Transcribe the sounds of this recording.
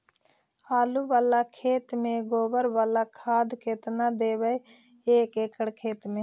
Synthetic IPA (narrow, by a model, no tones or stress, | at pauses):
aːluːʋaːlakʰeːt̪mẽɡoːbəɾʋaːlakʰaːd̪ket̪nad̪eːʋə | eːkeːkʰəɽkʰeːt̪mẽː